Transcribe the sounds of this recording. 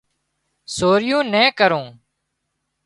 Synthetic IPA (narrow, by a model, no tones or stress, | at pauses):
soːɾɪjõːnɛ̃ːkəɾõː